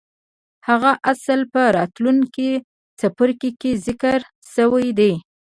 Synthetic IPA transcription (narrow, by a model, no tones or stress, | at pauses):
haɣaʔasəlpəɾɑt̪luŋki | t͡sapəɾkikezɪkəɾ | səwajd̪ej